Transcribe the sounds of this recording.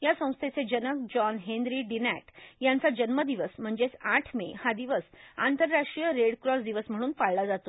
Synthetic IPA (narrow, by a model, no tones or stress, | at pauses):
jasə̃w̃st̪ʰet͡sed͡ʑənək̚d͡ʑɔnɦẽnd̪ɾiːɖinæʈjant͡sad͡ʑənməd̪iʋəsm̤əɳd͡zesaʈʰmehad̪iʋəsa̰nt̪əɾːaʂʈɾijəɾeɽkɾɔsd̪iʋəsm̤əɽ̃uːnpaɭlad͡zat̪o̥